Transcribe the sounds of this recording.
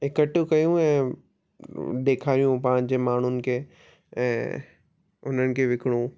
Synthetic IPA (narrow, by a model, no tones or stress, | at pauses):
ɪkəʈukɐjũɛ̃ː | d̪eːkʰaːɾijũpãːɲd͡ʑemaːɳ̤ʊnɪ̆kʰeː | ɛ̃ː | ʊn̤ənɪ̆kʰeʋɪkɪɽ̃ũ